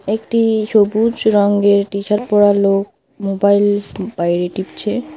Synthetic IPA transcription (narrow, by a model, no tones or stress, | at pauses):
ek̚ʈiʃobud͡ʑɾɔŋɡeɾʈiʃaɾpɔɾalok̚ | mobajlb̥ajɾeʈipt͡ɕʰe